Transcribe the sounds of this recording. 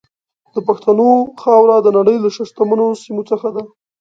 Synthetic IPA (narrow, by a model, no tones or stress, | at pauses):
d̪əpaxt̪anoxɑwɾad̪ənaɽəjlaʃaʃt̪amanosimot͡səxad̪a